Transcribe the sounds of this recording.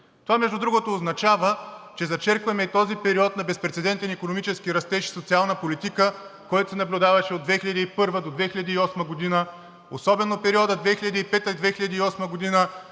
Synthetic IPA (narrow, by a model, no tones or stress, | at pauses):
t̪ovamɛʒd̪ud̪ɾuɡot̪oːznɐt͡ʃavət͡ʃɛzɐt͡ʃɛɾkvɐmɛit̪ɔzipɛɾiɔt̪nɐbɛspɾɛt̪sɛd̪ɛnt̪ɛnikonomit͡ʃɛskiɾɐst̪ɛʃi̥sot̪sialˠnəpolit̪ikəkɔjt̪o̥sɛnɐblʲʊd̪avɐʃɛod̪vɛxilʲʎɐd̪iːpɤɾvəd̪od̪vɛxiʎʲɐd̪iːɔsməɡod̪inə | osɔbɛnopɛɾiɔd̪əd̪vɛxiʎʲɐd̪iipɛt̪əid̪vɛxiʎʲɐd̪iːɔsməɡod̪inə